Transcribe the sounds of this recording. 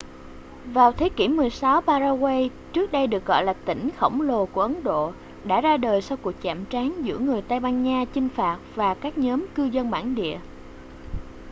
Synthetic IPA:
vaː˨˩wt̪ʰe˨˦ki˧˩əmːɨ˨˩əjsa˨˦wpaː˧zaː˧ɣwe˧j | t͡ɕɨ˦˥ək̚ɗə˧jɗɨ˨˩ək̚ɣɔ̰˧˨jlaː˨˩t̪ï˧˩ŋ̟xə̰˧˩wŋ͡mlo˨˩ku˧˩əʔə˨˦nɗo̰˧˨ | ɗa̰ː˧˥zaː˧ɗəː˨˩jsa˧wku˨˩ək̚t͡ɕa̰ː˧˨mt͡ɕaː˨˦nzɨ̰˧˥əŋɨ˨˩əjt̪a˧jɓaː˧nɲaː˧t͡ɕï˧ŋ̟faː˨˩t̚vaː˨˩kaː˦˥k̚ɲɔː˨˦mkɨ˧zə˧nɓa̰ː˧˩nɗḭ˧˨ə

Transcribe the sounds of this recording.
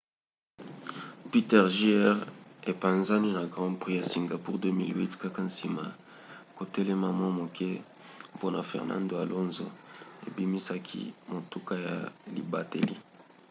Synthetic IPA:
pi˦tɛ˦ʁʒi˦ɛ˦ʁe˨pa˨nza˦ni˦na˨ɡʁɑ̃˦pʁi˦ja˨si˨ŋɡa˨pu˦ʁdø˦mi˦lwi˦tka˦ka˦n̩˦si˨ma̰˨ | ko˨tɛ˦lɛ˦ma˦mwa˦mo˨kʰɛ˦ | po˦na˨fɛ̰˨ʁnã̰˦ndo˨a˨lʔo˦nzo̰˨e˨bi˦mi˦sa˦kʰḭ˦mo˨tu˦ka˦ja̰˨lḭ˨ba˦tḛ˨lḭ˦

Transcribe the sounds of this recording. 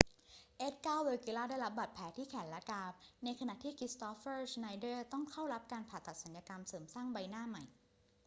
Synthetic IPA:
ʔe˦˥t̪̚kaː˥˩wweː˧ki˧laː˥˩daː˥˩jɾa˦˥p̚ba˨˩t̪̚pʰɛː˩˦t̪ʰiː˥˩kʰɛː˩˦nlɛ˦˥kaː˧p̚na˧jkʰa˧na˨˩ʔt̪ʰiː˥˩kʰɾi˦˥st̪ɔː˦˥fɤː˥˩sna˧jdɤː˥˩t̪ɔ˥˩ŋkʰa˥˩wɾa˦˥p̚kaː˧npʰaː˨˩t̪ːa˨˩t̪̚sa˩˦njaː˧ka˧msɤː˩˦msaː˥˩ŋba˧jnaː˥˩ma˨˩j

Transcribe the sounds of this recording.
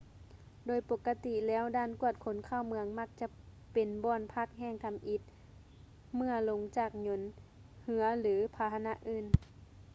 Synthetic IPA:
doː˨˩jpo˧˩kːa˧t̪i˧˨lɛː˧˥˨wdaː˧˥˨nku˧˥˩ət̪̚kʰo˨˦nkʰaː˧˥˨wmɯ˧əŋma˧˥˩k̚t͡ɕa˧˦ | pe˨˩nbɔː˧˩npʰa˧˩k̚ɦɛː˧˩˨ŋt̪ʰa˧˦mʔi˧˦t̪̚ | mɯ˧ɐlo˧˦ŋt͡ɕaː˧˩k̚ɲo˧˦˥n | hɯ˧˦ɐlɯː˨˦pʰaː˨˧˦ha˧na˧˥ʔɯː˧˩n

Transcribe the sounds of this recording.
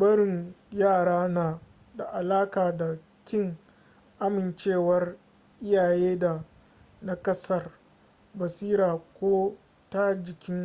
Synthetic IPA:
bɐ˦ɽɪ˨ŋjaː˦˨ɽaː˦naː˨ | da˨ʔa˨laː˦kaː˨da˨ | kʲɪ˦˨ŋ | ʔa˦mɪ˨nt͡ʃeː˦˨wɐ˦r | ʔɪ˦jaː˨jeː˦da˨ | na˦kɐ˦sɐ˦˨r | bɐ˨siː˦ɾaː˨kʷoː˦ | ta˦d͡ʒɪ˨kʲɪ˦ŋ

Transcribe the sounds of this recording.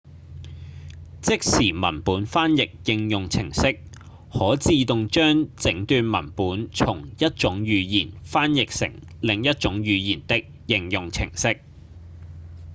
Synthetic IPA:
t͡sɪ˥k̚siː˨˩mɐ̰˨˩npuː˨˥nfaː˥njɪ˨k̚jɪ˧ŋjʊ˨ŋt͡sʰɪ˨˩ŋsɪ˥k̚ | hɔː˨˥t͡siː˧t̪ʊ˨ŋt͡ʃœː˥ŋt͡sɪ˨˥ŋt̪yː˧nmɐ˨˩npuː˨˥nt͡sʰʊ˨˩ŋjɐ˥t̚t͡ʃʊ˨˥ŋjyː˨˧jiː˨˩nfaː˥njɪ˨k̚sɪ̰˨˩ŋ | lɪ˨ŋjɐ˥t̚t͡ʃʊ˨˥ŋjyː˨˧jiː˨˩nt̪ɪ˥k̚jɪ˨ŋjʊ˨ŋt͡sʰɪ̰˨˩ŋsɪ˥k̚

